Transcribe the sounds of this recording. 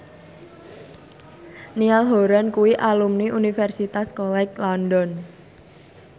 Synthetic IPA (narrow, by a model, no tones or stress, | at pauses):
nialɦoɾankuwiʔalumniʔunifɛrsit̪askɔlɛklɔndɔn